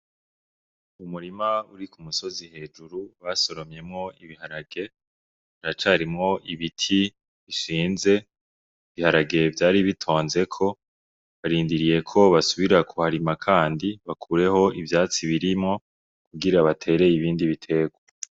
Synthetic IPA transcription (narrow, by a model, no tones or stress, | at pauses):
umuɾimauɾikumuso̞zihe̞ːd͡ʒuɾuβaso̞ɾo̞mɲe̞mŋo̞iβihaɾaɡe̞ | aɾat͡ʃaɾimŋo̞ʔiβitʰi | βiʃiːnze̞ | iβihaɾaɡe̞vjaːɾiβitʰo̞ːnze̞kʰo̞ | βaɾiːndiɾije̞kʰo̞βasuβiɾakʰohaɾimakʰaːndiβakʰuːɾe̞ho̞ʔivjaːt͡siβiɾimŋo̞ | kuɡiɾaβatʰe̞ːɾe̞jiβiːndiβitʰe̞ɡwa